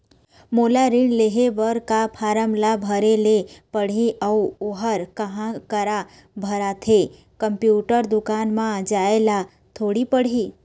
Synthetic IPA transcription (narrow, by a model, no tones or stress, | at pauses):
moːlaɾɪɳleɦeʋəɾkapʰaːɾəmlabʱəɾelepəɽ̤iʔəuoɦəɾkəɦãkəɾa | bʱəɾat̪ʰe | kəmpjuːʈəɾd̪ʊkaːnmãd͡ʒaːela | t̪ʰoːɽipəɽ̤i